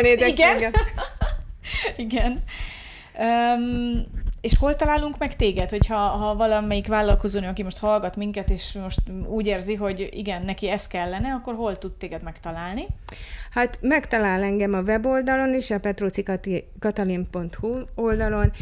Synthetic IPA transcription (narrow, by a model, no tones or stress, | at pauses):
neːd̪ɛkɡŋɡ | iɡɛn | øː | eːʃho̞lt̪ɒlaːluŋkmɛkt̪eːɡɛt̪ho̞chɒɦɒvɒlɒmɛjikvaːlːɒlko̞zoːnøɒkimo̞ʃt̪hɒlɡɒt̪miŋkɛt̪eːʃmo̞ʃt̪uːɟeːrziɦo̞ɟḭɡɛnːɛkiɛskɛlːɛnɛɒkːo̞rɦo̞lt̪ut̪t̪ːeːɡɛd̪mɛkt̪ɒlaːlnihat̪mɛkt̪ɒlaːlɛŋɡɛmɒvɛbo̞ld̪ɒlo̞niʃɒpɛt̪roːt̪sikt̪kɒt̪ɒlimpo̞nt̪huo̞ld̪ɒlo̞n